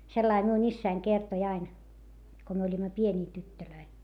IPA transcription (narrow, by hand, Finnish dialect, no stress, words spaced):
selːɑi miun isːæin kertoĭ ɑin ko myø olʲimɑ pienʲiː tytːøløi